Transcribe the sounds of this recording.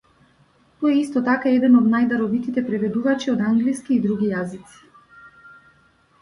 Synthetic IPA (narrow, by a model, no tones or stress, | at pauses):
t̪ɔɛist̪ɔt̪akaɛd̪ɛnɔd̪najd̪aɾɔvit̪it̪ɛpɾɛvɛd̪uvat͡ʃiɔd̪aŋɡliskiːd̪ɾuɡʲijazit̪si̥